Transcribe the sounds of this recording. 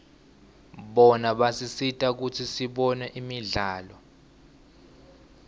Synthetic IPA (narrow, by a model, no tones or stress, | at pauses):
ɓɔnaɓasisitʼak̬utʰisiɓɔnɛʔimiɮaːlɔ